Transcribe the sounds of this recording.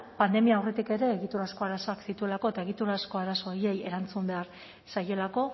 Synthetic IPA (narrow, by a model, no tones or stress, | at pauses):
pand̪e̞miaːwre̞t̪ike̞ɾe̞ːɣit̪uɾasko̞aɾasoaksit̪ue̞lako̞e̞t̪aeɣit̪uɾasko̞aɾaso̞je̞je̞̰ɾant͡sumbe̞aɾ | saje̞lako̞